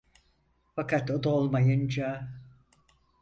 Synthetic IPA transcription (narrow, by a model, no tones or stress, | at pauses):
fakat̪od̪aolˠmajɯnd͡ʒa